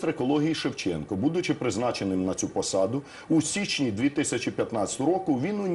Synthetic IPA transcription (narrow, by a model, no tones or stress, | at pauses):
t̪ɾekɔlˠɔɦʲijiʃewt͡ʃɛ̰nkɔbud̪ʊt͡ʃɪpɾɪznɑt͡ʃenɪmnɐt͡sʲupɔsɑd̪ʊ | usʲit͡ʃʲnʲid̪ʋʲit̪ɪsʲɐt͡ʃipʲjɐt̪nɑt͡sʲɐ̥t̪ʊʊɾɔkʊʋʲinʊnʲ